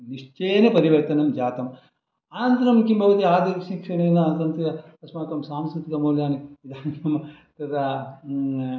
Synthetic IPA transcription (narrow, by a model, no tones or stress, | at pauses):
niʂt͡ʃejɐnepɐɾiʋɐɾt̪ɐnɐmd͡ʒaːt̪ɐm | aːnɐnt̪ɐnɐmkimbʱɐʋɐt̪iaːd̪ɐʃikʂɐneːnɐɐnt̪ɐnt̪ijɐɐsmaːkɐmsaːmskut̪ik̪ɐmoːljaːniʋid̪ʱaːnkɐm | t̪ɐt̪ɐ